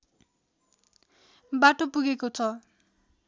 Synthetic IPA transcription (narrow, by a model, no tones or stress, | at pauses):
baʈopuɡekot͡sʰʌ